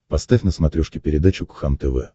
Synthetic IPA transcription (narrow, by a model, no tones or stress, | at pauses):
pɐst̪afʲnəsmɐt̪ɾʲɔʂkʲɪpʲɪɾʲɪd̪at͡ɕʊkxant̪ɛvɛ̰